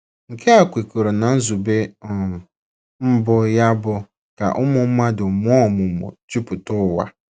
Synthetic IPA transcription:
ŋ̩˨kʰe˦a˨kʷe˨ku˨ɾo˨na˨n̩˦zu˨be˦˨ | m̩˦bʊ˦ja˦bʊ˦ | ka̰˨ʔʊ˦mʊ˨m̩˦ma˦dʊ˨mʊ˦ɔ˦˨mʊ˨mʊ̰˨t͡ʃi˦pʊ˨tʊ˦˨wa̰˦

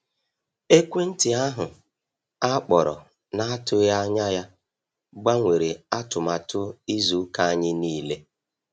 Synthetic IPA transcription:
e˦kʷe˦n̩˦tɪ˨a˦ɦʊ˨ | a˦k͡pɔ˨ɾɔ̰˨ | na˦a˦tʊ˦ja˦ɲa˦ja˦ | ɡ͡ba˦ŋʷe˨ɾe˨a˦tʊ˨ma˨tʊ˦i˦zu˨˦ka˦a˦ɲɪ˦niː˦le˦

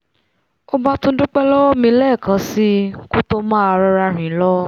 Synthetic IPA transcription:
o˦ba˧tõ˦du˦k͡pɛ˦lɔ˦wɔ˦mĩ˧˦lɛ˦˨kã˨˦si˦ku˦to˦mã˦a˧ɾa˧ɾa˧ɾ̃ĩ˨˦lɔ˦

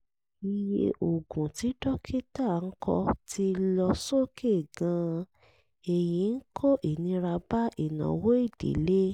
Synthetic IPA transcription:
i˨jḛ˧ʔo˨ɡũ˨ti˨˦dɔ˦kʰi˦ta˦˨n̩˦kʰɔ̰˧tʰi˦lɔ˧so˦˨kʰe˦˨ɡã˧ | e˨jĩ˨˦n̩˦kʰo˦ʔe˨nĩ˧ɾa˧ba˦ʔi˨nã̰˨wo˦i˦˨d̥ḛ˨˦le˦

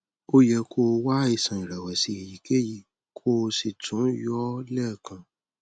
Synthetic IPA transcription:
o˦jɛ˧kʰo˧wa˦i˦˨sã˨ĩ˨ɾɛ˨wɛ˨si˧˨ji˨ke˦ji˨ | kʰo˦˧si˨tʰũ˨˦jɔ˦lɛ˦˨kʰã˧

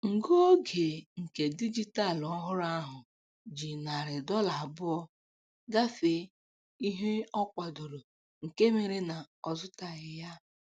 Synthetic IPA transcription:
ŋ̩˨ɡo˦ɡe˨ŋ̩˨ke˨di˦d͡ʒi˦ta˦˨lɔ˦ɦʊ˦ɾa˦ɦʊ˨ | d͡ʒi˨na˨ɾɪ˨dɔ˦la˨bʊ˦ɔ˦ | ɡa˦fe˨˦ | i˦ɦe˦ɔ˦kʷa˨do˨ɾo˨ | ŋ̩˨ke˦me˨ɾe˨na˨ | ɔ˨zʊ˦ta˨ɣɪ˨ja˦

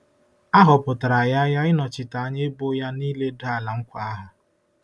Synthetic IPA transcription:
a˦ɦʊ˨pʊ˨ta˨ɾa˨ja˦ja˦ɪ˦nɔ˨t͡ʃɪ˨ta˨a˦ɲe˦e˦bo˦ja˦niː˦le˦da˦˨la˨ŋ̩˦kʷa˨a˦ɦʊ˨

